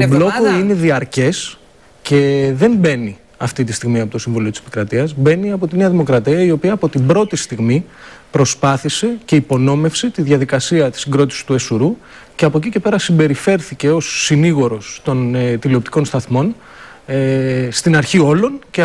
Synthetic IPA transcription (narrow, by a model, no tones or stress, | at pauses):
t̪obllo̞koine̞ðiɐɾce̞s | ce̞ðe̞mbe̞ni | ɐft̪it̪ist̪iɣmiɐpo̞t̪o̞siɱvuliot̪i̥se̥pi̥kɾɐt̪iɐzbe̞niɐpo̞t̪ine̞ɐðimo̞kɾɐt̪iɐio̞piɐːpo̞t̪ibɾo̞t̪ist̪iɣmipɾo̞spɐθise̞ce̞ipo̞no̞me̞fsit̪iðʝɐðikɐsiɐt̪i̥siŋɡɾo̞t̪isi̥t̪ue̞suɾu | ceɐpocice̞pe̞ɾɐsimbe̞ɾife̞ɾθice̞o̞sːiniɣo̞ɾo̞st̪o̞nt̪iliopt̪iko̞nst̪ɐθmo̞n | est̪inɐɾçio̞lo̞nce